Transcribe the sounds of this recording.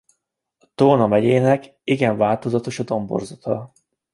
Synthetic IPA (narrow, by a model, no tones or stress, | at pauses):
ɒt̪oːnɒmɛɟeːnɛk | iɡɛɱvaːlt̪o̞zɒt̪o̞ʃɒd̪o̞mbo̰rzɒt̪ʰɒ